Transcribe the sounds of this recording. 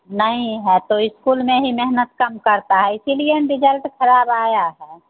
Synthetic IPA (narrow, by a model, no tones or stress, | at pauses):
nəɦĩɦɛt̪oɪskuːlmẽɦimɛɦnət̪kəmkəɾt̪aɦɛɪsilieɖɪd͡ʒəlʈkʰəɾaːbaːjaɦɛː